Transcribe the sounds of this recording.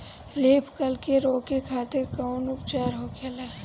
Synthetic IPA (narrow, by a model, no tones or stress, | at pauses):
leːpʰkɐlkeɾoːkekʰaːt̪ɪɾkɐwnʊpt͡ʃaːɾɦoːkʰeːlaː